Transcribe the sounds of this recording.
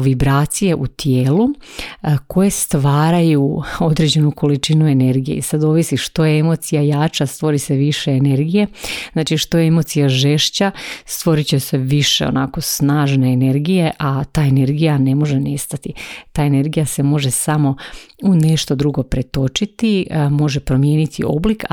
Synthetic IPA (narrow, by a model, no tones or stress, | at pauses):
ʋibɾaːt̪sije̞ʔut̪jeːlu | ko̞je̞st̪ʋaːɾajuo̞d̪ɾe̞d͡ʑe̞nuko̞lit͡ʃinue̞ne̞ɾɡije̞̰isad̪o̞ʋisiʃt̪o̞jeemo̞t̪sijajaːt͡ʃast̪ʋo̞ɾise̞ʋiʃe̞ːne̞ɾɡije̞znaːt͡ʃiʃt̪o̞jeemo̞t̪sijaʒe̞ʃt͡ɕast̪ʋo̞ɾit͡ɕese̞ʋiʃḛo̰nako̞snaːʒneːne̞ɾɡije̞ʔat̪aːene̞ɾɡijane̞mo̞ʒene̞st̪at̪it̪aːe̞ne̞ɾɡijase̞mo̞ʒe̞samo̞une̞ʃt̪o̞d̪ɾuɡo̞pɾet̪o̞t͡ʃit̪imo̞ʒe̞pɾo̞mje̞ːnit̪ʰio̞̰blik